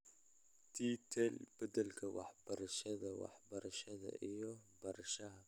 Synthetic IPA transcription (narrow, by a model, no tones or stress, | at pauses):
t̪ʰit̪ʰɛlb̥ɐd̪ɐlkʰɐwɑ̰ħbɐɾɐʃɐðɐwɑ̰ħbɐɾɐʃɐðɐ̰ʔijɔbɐɾɐʃɐɦɐ